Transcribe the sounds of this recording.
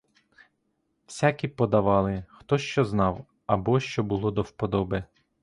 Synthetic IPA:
w̥sʲakʲipɔd̪ɐʋɑlˠɪxt̪ɔʃt͡ʃɔznɑw | ɐbɔʃt͡ʃɔbʊlˠɔd̪ɔwpɔd̪ɔbe

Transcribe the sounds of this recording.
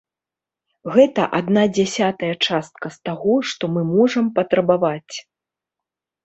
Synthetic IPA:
ɣɛt̪ɐʔad̪nad͡zʲasʲat̪ɐjɐt͡ʂast̪̚kɐst̪aɣɔʂt̪ɔmɨmɔʐɐmpɐt̪ɾɐbavat͡sʲ

